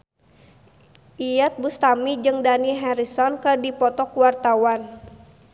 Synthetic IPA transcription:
ʔijat̪̚bust̪amid͡ʒɨŋdaniɦɛɾisɔnkɨrdipɔt̪ɔkuwart̪awan

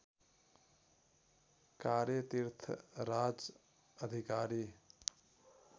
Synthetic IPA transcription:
kaːɾjət̪iɾt̪ʰɾaːd͡ʒ | əd̪ʱɪkaːɾiː

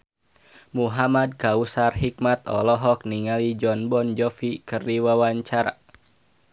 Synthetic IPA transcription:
muɦamad̚kausarɦik̚mat̪ɔ̰lɔɦɔk̚niŋalid͡ʒɔnbɔnd͡ʒɔfikɨrdiwawaɲt͡ʃaɾa̰

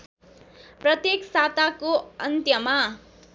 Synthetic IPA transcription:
prʌt̪jeksat̪akoʌnt̪jʌma

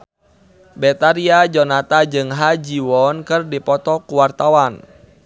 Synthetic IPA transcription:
bɛt̪aɾiad͡ʒɔnat̪ad͡ʒɨŋɦad͡ʒiwɔnkɨrdipɔt̪ɔkuwart̪awan

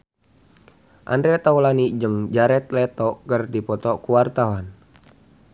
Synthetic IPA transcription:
ʔa̰ndɾɛt̪aulanid͡ʒəŋd͡ʒaɾɛt̪lɛt̪ɔkərdipɔt̪ɔkuwart̪awan

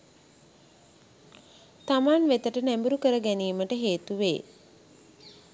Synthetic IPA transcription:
t̪amaːnʋet̪əʈənæmbuɾukəɾəɡæniːməʈəɦeːt̪uʋḛː

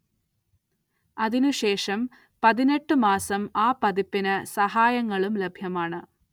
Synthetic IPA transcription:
ɐðinuɕe̞ːʂɐm | pɐðine̞ʈːɨmaːsɐmaːpɐðipːinɐsɐɦaːjɐŋːɐɭumlebʱjɐmaːɳɨ

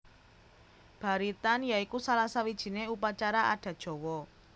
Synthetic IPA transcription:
b̥a̤ɾit̪anjaikusalasawid̥ʒ̥i̤neupat͡ʃaɾaʔa̰ɖ̥ä̤d̥ʒ̥ɔ̤wɔ

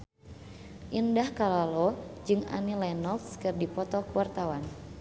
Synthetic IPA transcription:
ʔindahkalalɔd͡ʒɨŋa̰nilɛnɔkskɨrdipɔt̪ɔkuwart̪awan

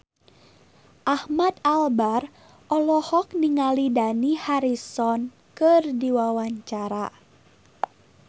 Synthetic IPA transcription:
ʔahmat̪albar | ɔlɔhɔk̚niŋalidanihaɾisɔn | kərdiwawaɲt͡ʃaɾa

